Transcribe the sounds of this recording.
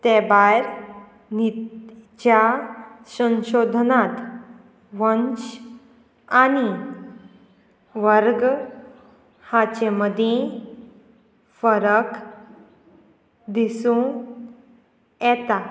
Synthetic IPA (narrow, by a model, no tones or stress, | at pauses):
t̪ebajɾ | nit͡ɕasə̃ɕod̪ʱnat̪ | ʋənt͡ɕ | ani | ʋəɾɡ | hat͡ɕeməd̪ʱjẽ | fəɾək | d̪isũ | jɛt̪a